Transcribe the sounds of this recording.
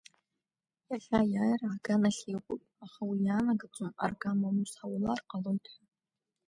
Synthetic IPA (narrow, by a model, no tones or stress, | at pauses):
jaɮajaːjraːɡanaɬeːqʷʼʊpʼaχawijaːnaɡɨt͡sʷʼɨma̰rɡamamusawʊlarqɑlɨwtʰħʷa